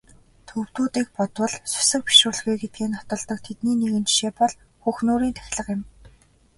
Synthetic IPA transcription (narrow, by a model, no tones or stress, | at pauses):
t̪ʰɵw̥t̪uːt̪iːk̚pɔt̪wə̆ɮsʊ̥sɘ̆k̚pi̥ʃrʊːrɮɣiːɡet̪̚ɡeːnɔ̥t̪ɞ̆ɮt̪ɞ̆k̚t̪ʰet̪niːneɣɘ̆nt͡ɕi̥ʃeːpɔɮ | xuːxnoːɾiːnt̪ʰæ̥x̆ʲɮə̆qjɪ̆m